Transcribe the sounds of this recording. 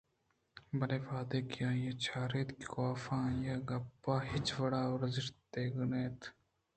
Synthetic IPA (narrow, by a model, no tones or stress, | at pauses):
bɐneːʋaːd̪eːkijãːjeːt͡ʃʰaːɾeːt̪kkoːfãːjaːɡɐpːãːɦɪt͡ʃʋɐɽaːoɾɐzɪʃtt̪eːɡneːt̪